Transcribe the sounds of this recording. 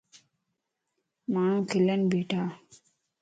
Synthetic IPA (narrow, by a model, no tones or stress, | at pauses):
maːɳ̃ũːkʰilɐnbeːʈaː